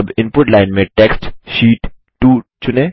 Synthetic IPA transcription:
ɐbɪ̃npʊʈlaːɪnmẽʈeːksʈʃiːʈ | ʈuːt͡ʃʊneː

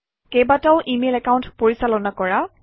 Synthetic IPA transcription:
kejbataʊʔimelɛkaʊ̃ntpoɹisalɔnakɔɹa

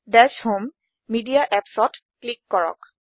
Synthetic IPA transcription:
dɛshomː | idiaʔɛpsɔt | klikːɔɹɔ̰k

